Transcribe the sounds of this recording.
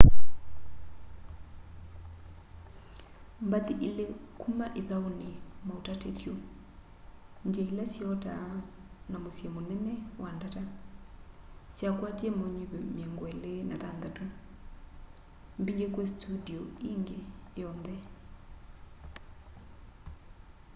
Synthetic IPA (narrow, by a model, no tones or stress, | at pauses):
mbaðiʔilekʰumaʔiðaunimautatetjo | nd͡ʒeilasiɔta̰ | namusjɛmunɛnɛwandata | sjakwatiɛmoɲiβemjɛŋɡwɛlena̰ðand̪atu | mbiɲɡekwestʰudioiŋɡejɔnðɛ